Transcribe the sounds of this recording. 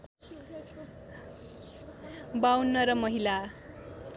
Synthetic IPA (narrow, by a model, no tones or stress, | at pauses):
bawnːʌɾʌmʌɦila